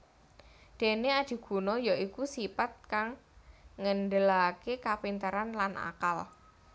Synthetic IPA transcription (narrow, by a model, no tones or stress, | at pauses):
d̪̥e̤nead̪̥i̤ɡ̥ṳnɔjɔʔikusipat̪̚kaŋː | ənɖəlakekapint̪əɾanlanʔa̰kal